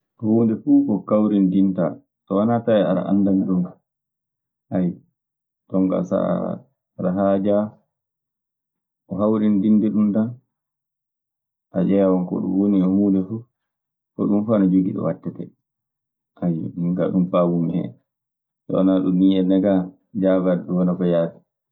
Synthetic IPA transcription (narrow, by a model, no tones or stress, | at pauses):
ɔhuːndɛfuːkɔkawɾindinta̰ | tɔwanataɛa̰ɾa̰ʔa̰nːdamiɗum | ʔaj | tɔŋɡa̰sa̰ | ɾaɦad͡ʒa | ʔɔɦawɾindindɛɗundan | ʔad͡ʒɛawɔnkɔ̰ɗṵwoniɔmuːlɛfu | kɔ̰ɗumfanad͡ʒuɡiɗɔ̰watːɛtɛ | ʔajɗuŋɡa̰ɗumfawumɛhɛ̰ | tɔ̰wanaɗumːiɛnɛɡa | d͡ʒaɡadɗuwanabajaːtɛ̥